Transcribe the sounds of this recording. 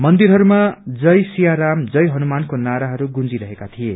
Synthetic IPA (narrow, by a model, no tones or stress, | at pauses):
mʌnd̪iɾɦʌɾumad͡zʌjsijaɾamd͡zʌjɦʌnumankonaɾaɦʌɾuɡund͡ziɾʌɦekat̪ʰije